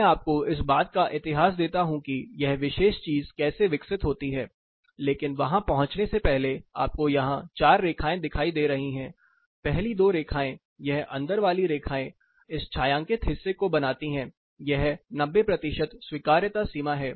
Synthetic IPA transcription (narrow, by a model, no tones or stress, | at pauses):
ɛːaːp̚koɪs̬baːt̪̚kaʔɪt̪ɪɦaːs̬d̪eːt̪aɦũkijɛɦʋɪʃeːʃt͡ʃiːzkɛːseʋɪksɪt̪ɦoːt̪iɦɛː | leːkɪnʋɐɦãpɐɦʊ̃t͡ʃnesepɛɦlea̰ːp̚kojɐɦãt͡ʃaːɾːeːkʰaːẽd̪ɪkʰaːid̪eːɾɐɦiɦɛ̃ː | pɛɦlid̪oːɾeːkʰaːẽ | jɛɦɐ̰̃nd̪əɾʋaːliɾeːkʰaːẽ | ɪst͡ʃʰaːjãːŋkɪt̪ɦɪsːekobɐnaːt̪iɦɛ̃ː | jɛɦnɐbːepɾɐt̪ɪʃət̪swiːkaːɾjət̪asiːmaɦɛː